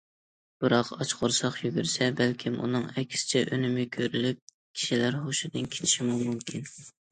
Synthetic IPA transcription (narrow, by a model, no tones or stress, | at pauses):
b̥ɨɾɑqɑt͡ʃqʰoɾsɑqjyɡʲyɾsɛbælkʲʰimʔṵnɨŋɛkʲʰsɪ̥t͡ʃʰɛʔønɪmɪkʲʰøɾylyp̚ | kʲʰi̥ʃilæɾχoʃɪd̪ɨnkʲʰe̥t͡ʃʰi̥ʃimumumkʲʰin